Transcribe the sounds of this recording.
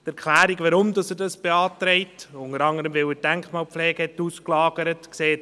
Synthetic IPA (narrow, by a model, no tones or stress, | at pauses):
tɛɾkʰlæːɾiɡʋɑɾʊmd̪ɑsədɑsb̥eɑːt̪ɾɛɪtʊnəɾɑŋəɾəmʋɪwəd̥æŋkχmɑːlp̪flɛːɡ̥əhɛtuːsklɑːɡ̥əɾətkseːt